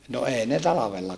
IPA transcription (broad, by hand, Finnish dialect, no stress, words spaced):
no eːi ne tɑlɑʋelːɑ